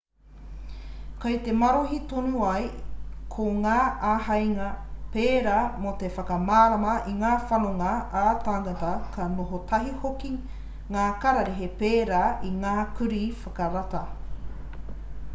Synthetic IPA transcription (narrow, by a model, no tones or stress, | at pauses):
kɐjt̪emɐɾoɦit̪onuɐjkʰoŋaːaɦɐjŋɐpeːɾaːmot̪efɐkɐmaːɾamɐʔiŋaːfɐnoŋɐat̪aŋatɐkʰɐnoɦot̪ʰɐɦihoki | ŋaːkaɾaɾeɦepeːɾaiŋaːkʉɾifɐkɐɾatɐ